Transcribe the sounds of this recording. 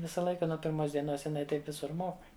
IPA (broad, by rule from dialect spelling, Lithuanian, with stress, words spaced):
ˈʋʲɪsɑː ˈlˠɐɪkɑː nuɔ pʲɪrˈmoːs dʲiɛˈnoːs jɪˈnɐɪ ˈtɐɪp ˈʋʲɪsʊr moːk